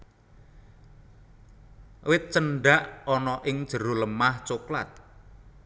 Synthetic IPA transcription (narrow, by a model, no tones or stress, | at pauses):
wɪt̪̚t͡ʃəɳɖaʔɔnɔʔɪŋd̥ʒ̥ə̤ɾoləmaht͡ʃokla̰t̪̚